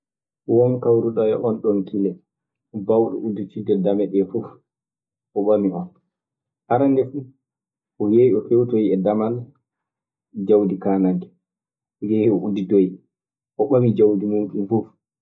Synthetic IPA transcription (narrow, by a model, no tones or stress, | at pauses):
wɔnkawɾuɗɔjɛʔɔnɗɔnkilɛ | bawɗɔ̰ʔuditidɛdamɛɗɛfuf | ʔɔɓamiʔɔn | ʔaɾandɛfu | ʔɔjeiɔfewtojɛdamal | d͡ʒawdikaːnaŋɡɛ | jehɛɔudidoj | ʔɔɓamid͡ʒawdimumkinfuf